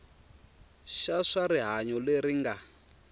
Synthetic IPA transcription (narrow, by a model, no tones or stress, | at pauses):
ʃaʂaɾiɦaɲɔleɾiŋɡa